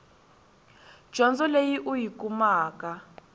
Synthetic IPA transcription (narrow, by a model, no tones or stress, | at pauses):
d̥ʒ̥ʱɔnd͡zɔlejiʔujikumaːka